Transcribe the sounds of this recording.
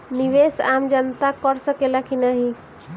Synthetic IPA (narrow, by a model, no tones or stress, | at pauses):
niʋesamd͡ʒənt̪akəɾsəkelakinaɦi